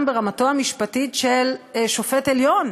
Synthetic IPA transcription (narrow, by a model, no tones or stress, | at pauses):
mbeʁamato̞hamiʃpatitʃelʃo̞feteljo̞n